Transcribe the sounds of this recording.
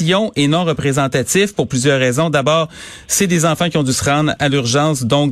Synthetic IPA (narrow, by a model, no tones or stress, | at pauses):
jɔ̃ʔenɔ̃ʁəpʁezɑ̃t̪at͡s̪ɪfpʊʁplyzjœːʁːɛzɔ̃d̪abɑːʁ | sɛd̪ezɑ̃fɑ̃kʲiɔ̃d̪ysəʁɑ̃d̪ʁalyʁʒɑ̃sd̪ɔ̃k